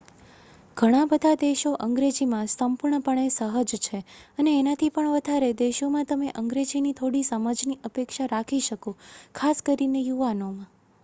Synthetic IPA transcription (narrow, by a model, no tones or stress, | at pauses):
ɡʱəɽ̃ãbəd̪ʱad̪eʃoʔəŋɡɾed͡ʒimãsəmpuɾɳəpəɳ̃esəɦəd͡ʒt͡ʃʰeəneːnat̪ʰipəɳʋəd̪ʱaɾed̪eʃomãt̪əmeʔəŋɡɾed͡ʒinit̪ʰoɽisəmad͡ʒniʔəpekʃaɾakʰiʃəkokʰaskəɾinejuʋanomã